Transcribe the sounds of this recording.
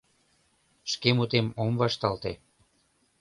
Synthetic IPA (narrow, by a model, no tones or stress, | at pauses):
ʃkemut̪emomvɑʃt̪ɑlt̪e